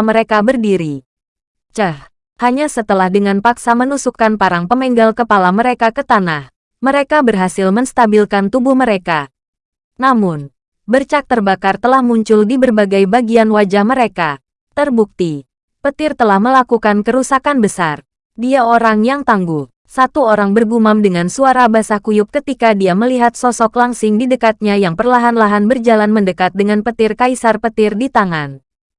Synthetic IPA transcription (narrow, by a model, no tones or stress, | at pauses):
məɾekabərdiɾi | t͡ʃəh | haɲasət̪əlahdəŋanpaksamənusukanpaɾaŋpəmɛŋɡalkəpalaməɾekakət̪anah | məɾekabərɦasɪlməŋst̪abilkant̪ubuhməɾeka | namʊn | bərt͡ʃak̚t̪ərbakart̪əlahmuɲt͡ʃʊldibərbaɡajbaɡianwad͡ʒahməɾeka | t̪ərbuk̚t̪i | pət̪ɪrt̪əlahməlakukankəɾusakanbəsar | diaoɾaŋjaŋt̪aŋɡu | sat̪uoɾaŋbərbumamdəŋansuaɾabasahkujʊp̚kət̪ikadiaməliɦat̪̚sɔsɔklaŋsɪŋdidəkat̪̚ɲajaŋpərlaɦanlaɦanbərd͡ʒalanməndəkat̪̚dəŋanpət̪ɪrkaisarpət̪ɪrdit̪aŋan